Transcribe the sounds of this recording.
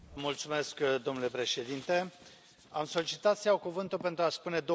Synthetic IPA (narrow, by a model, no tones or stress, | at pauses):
mult̪sume̞skd̪o̞mnule̞pɾe̞ʃe̞d̪int̪e̞ | amso̞lit͡ʃit̪at̪sijawkuvɨnt̪ulpe̞nt̪ɾuaspune̞d̪o